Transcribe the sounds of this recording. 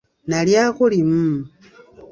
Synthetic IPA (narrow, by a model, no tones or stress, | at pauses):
naljakulimu